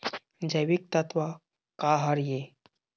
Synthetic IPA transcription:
d͡ʒəjʋik̚t̪at̪ʋa | kaɦaɾje

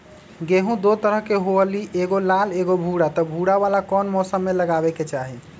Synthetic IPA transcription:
ɡeɦũd̪ot̪əɾəɦkeɦoəliʔeɡolaleɡobʱuɽat̪ɔbʱuɽaβalakɔnmɔsəmːeləɡabɛket͡ʃaɦi

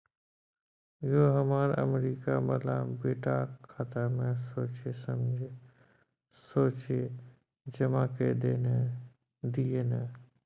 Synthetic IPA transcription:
joɦəmaɾə̰meɾikabəlabeːʈakʰat̪amẽsoːt͡ʃesəmd͡ʒʱe | soːt͡ʃe | d͡ʒəmaked̪ene | d̪ijene

